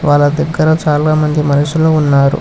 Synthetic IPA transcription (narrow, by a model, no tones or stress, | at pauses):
ʋaːlːɐd̪ɐɡːɐɾɐt͡ʃaːlaːmɐnd̪imɐnɐʂuloːunːaːɾṵ